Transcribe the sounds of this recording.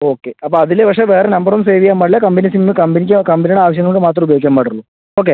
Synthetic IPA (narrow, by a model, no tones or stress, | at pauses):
o̞ːkːeɐpːoːɐðilpɐkʂeʋe̞ːrenɐmbɐrumse̞ːʋikːaːmbaːɽilɐkɐmbinisimmːɨkɐmbinik̬ʲːakɐmbiniɽeaːʋɐɕjɐŋːɐɭokːɨmaːt̪rɐmubɐjoːik̬ʲːjaːmɐːɽɐɾuɭːu | o̞ːk̬ːe